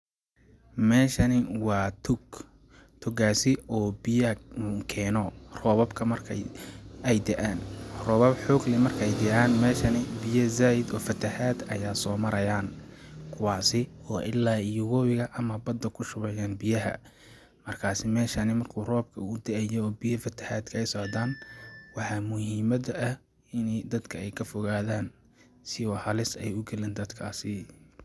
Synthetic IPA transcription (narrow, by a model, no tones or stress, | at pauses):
mɛːʃɐnɪwɑːt̪ʰʊɡ | t̪ʰʊɡaːsɪɔːbɪjɐkʰɛːnɔːrɔːβɐbkʰɐmɐrkʰɐ̰jɛjd̪ɛʔaːnrɔːβɐbħɔːɡlɪmɐrkʰɛjd̪ɛʔaːnmɛːʃɐnɪbɪjɐzaːjɪd̪ɔːfɐt̪ʰɐhaːd̪ɐ̰jaːsɔːmɐɾɐjaːnkʰʊwɑːsɪɔːʔɪlːaːjʊɣɔːwɪɣɐʔɐmɐbɐd̪ːɐkʰʊʃʊβɛjaːnbɪjɐɦɐ̰ | mɐrkʰaːsɪmɛːʃɐnɪmɐrkʰuːrɔːb̚kʰɐʊʊd̪ɐʔɛjɔɔːbɪjɐfɐt̪ʰɐ̥ħaːd̪kʰɐɛjsɔʕd̪aːnwɑħɑːmʊhiːmɐd̪ɐʔɐ | ɪnɛd̪ɐd̪kʰɐɛjkʰɐfɔɣaːðaːn | sɪɔːhɐlɪsɛ̰jʊɡɛlɛːnd̪ɐd̪kʰaːsɪ